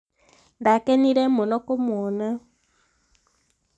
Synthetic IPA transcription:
ndakɛniɾɛmonɔkɔmɔna

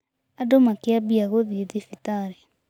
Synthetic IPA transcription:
adomakɪabiaɣoðieðifitaɾe

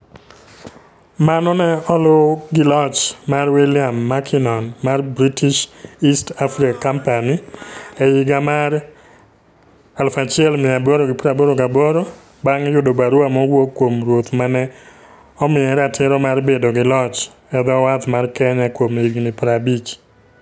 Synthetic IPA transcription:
manɔnɛɔlʊɡɪlɔt͡ʃmarwilɪamːakʰɪnɔnmarbɾitiʃistafɾikakampaniɛjiɡamaɾ | alfat͡ʃɪɛlmɪabɔɾoɡɪpɾabɔɾoɡabɔɾo | baŋjʊdobaɾʊamɔwokːwomɾwot̪manɛ | ɔmɪɛɾatʰɪɾɔmarbedoɡɪlɔt͡ʃ | ɛd̪ɔwat̪markɛɲakwomiɡnɪpɾabit͡ʃ

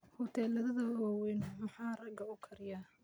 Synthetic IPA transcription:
hʊt̪ʰɛːlɐðɐðɐɔːwɛnmɐħɑːrɐɡɐʊkʰɐɾɪja

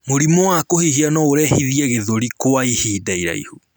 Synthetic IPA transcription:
moɾimowakohihianɔoɾɛhiðiɛɣeðoɾikoaihiːdaiɾa̰ḭhu

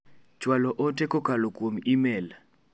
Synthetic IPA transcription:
t͡ʃwalɔʔotekokalokwomimel

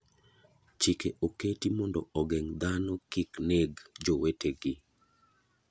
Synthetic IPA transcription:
t͡ʃikeʔoketimɔndɔɔɡɛŋd̪anɔkɪkneɡd͡ʒoweteɡɪ

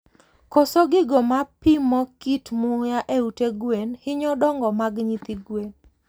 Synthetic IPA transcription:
kɔsɔɡɪɡɔmapɪmɔkitmʊjaʔeuteɡwenhɪɲɔdɔŋɡɔmaɡɲit̪ɪɡwen

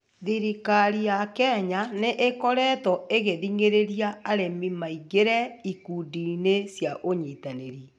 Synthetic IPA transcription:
ðiɾikaɾijakɛɲaneʔekɔɾɛtɔeɣeðiŋeɾeɾiaːɾemimaiɣeɾɛikudinesjaʔoɲitaneɾi

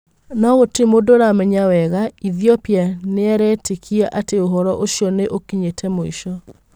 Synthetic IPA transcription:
naɣotemodoɾamɛɲawɛɣaiðiɔpjaneɛɾɛtekʰiaʔateoɦɔɾɔʔoɕjɔneʔokiɲetʰɛmoḭʃɔ

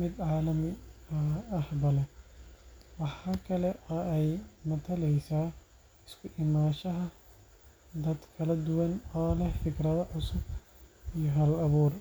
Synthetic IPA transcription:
mɪd̪ʕɑːlɐmɪɐɐhbɐlɛ | wɑħɑːkʰɐlɛʔɐɛjmɐt̪ʰɐlɛjsaː | ɪskʰʊʔɪmaːʃɐɦɐ | d̪ɐd̪kʰɐlɐd̪ʊwɐnɔːlɛfɪkrɐðɐʕʊsʊb | ijɞɦɐlɐβuːr

